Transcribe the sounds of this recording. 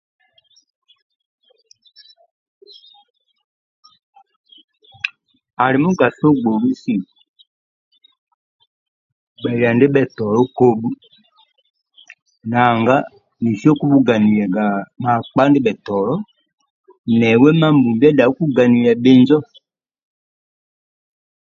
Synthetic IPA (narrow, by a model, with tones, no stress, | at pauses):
a˨li˨mu˦ɡa˨so˦ɡ͡bo˨lu˦si˦˨ | ɓɛ˨li˨a˨nde˦ɓɛ˨tɔ˨lɔ˦ko˦bu˦ | na˨ŋɡa˦ | ni˨ʃjɔ˦ku˦bu˦ɡa˨ni˨lɛ˨ɡa˨ma˨k͡pa˦ndi˦ɓɛ˨tɔ˨lɔ˦ | nɛ˨wɛ˦ma˦mbu˨bɛ˦da˨˦ku˦ɡa˨ni˨lɛ˨be˨nd͡ʒɔ˦